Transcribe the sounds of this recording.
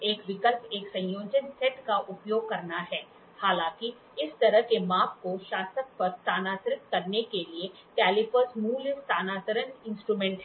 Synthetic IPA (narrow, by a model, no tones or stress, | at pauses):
eːkʋɪkəlpeːksɐ̃j̃joːd͡ʒənsɛʈkaʔʊpjoːɡ̚kɐɾnaɦɛː | haːlãːki | ɪst̪ɐɾəɦkemaːpkoʃaːsək̚pɐɾst̪aːnaːt̪əɾɪk̪̚kɐɾnekelie | kɛːlɪpəɾsmuːlst̪aːnaːt̪əɾənɪ̃nsʈɾuːmɛ̃ːɳʈɦɛ